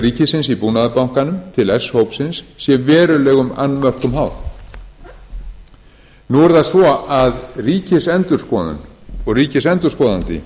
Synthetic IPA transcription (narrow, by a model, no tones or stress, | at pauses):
riːcɪsɪnsipuːnaðapawŋ̥kanʏmt̪ʰɪlɛshowpsɪnsːjɛvɛːɾʏlɛːɣʏma̰nːmœr̥kʏmɦaːwð | nuɛɾðaðsvɔaðriːcɪsɛnt̪ʏɾ̥skɔːðʏ̰nɔɣriːcɪsɛnt̪ʏɾ̥skɔːðant̪ɪ̰